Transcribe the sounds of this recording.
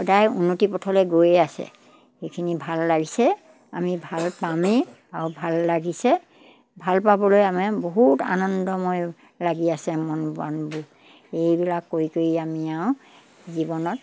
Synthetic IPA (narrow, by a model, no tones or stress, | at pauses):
xɔdajṵnːotipɔtʰɔlɛɡojeasɛ̰ | xekʰinibʱalːaɡisɛ | a̰mibʱalpame | aɹʊbʱalːaɡisɛ | bʱalpabɔlojamɛboɦuta̰nɔndɔmɔj | laɡiasɛmɔnba̰nbu | ejbilakːoikoɹiamiaʊ̃ | zibɔnɔt